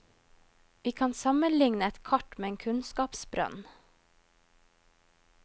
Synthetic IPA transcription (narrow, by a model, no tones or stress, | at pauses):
ʋiːkʰɑːnsɑmənlɪŋnəɛt̪kʰɑʈmeːeːŋkʰʉnskɑːpsbɾœ̰n